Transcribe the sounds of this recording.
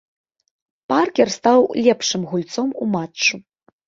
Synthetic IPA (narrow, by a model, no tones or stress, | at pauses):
parkʲɛrst̪awlʲɛpʂɨmɣulʲt̪sɔmumatt͡ʂːu